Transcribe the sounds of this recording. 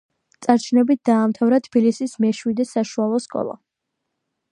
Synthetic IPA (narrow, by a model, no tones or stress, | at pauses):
t̪sʼaɾt͡ʃʰnɛbit̪̚d̪̥aːmt̪ʰavɾat̪ʰb̥ilisismɛʃwid̪ɛsaʃualˠɔskʼɔ̰lˠa̰